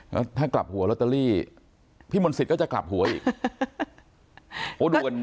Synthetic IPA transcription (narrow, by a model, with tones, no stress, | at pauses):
kɔ˦˥˩t̪ʰaː˥˩kla̰˨˩p̚hu˨˦ɐ˦lo˦˥t̪ːa˧ɾiː˥˩ | pʰiː˥˩mo˧nsi˨˩kɔː˥˩t͡ɕa˨˩kla̰˨˩p̚hu˩˦ɐʔḭː˨˩k | ʔoː˨˦du˧n